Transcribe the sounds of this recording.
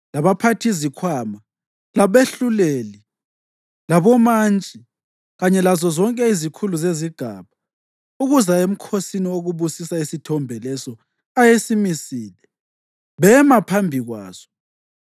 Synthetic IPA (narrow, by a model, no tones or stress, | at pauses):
laβapʰatʰizikʰwaːma | laβeɬuleli | laβɔmant͡ʃʼi | ɣaɲɛlazɔzɔŋkʼɛizikʰuluzeziɡ̥ʱa̰ːβa | uɣuzaem̩kʰosinioɣuβusisaisitʰɔmbʱɛlɛsɔ | ajesimisiːlɛ | βɛmapʰambʱiɣwa̰ːz̥ɔ̥